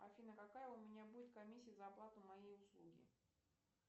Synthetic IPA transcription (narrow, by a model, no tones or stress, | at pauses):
ɐfʲinəkɐkajəʊmʲɪnʲabudʲɪt̪̚kɐmʲisʲːɪjzəɐplˠat̪ʊmɐjejʊslˠuɡʲɪ̰